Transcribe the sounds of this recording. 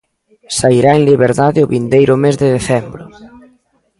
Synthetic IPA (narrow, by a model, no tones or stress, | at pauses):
saiɾaeŋliβeɾðaðɪʊβind̪ejɾʊmezðɪðeθɛmbɾʊ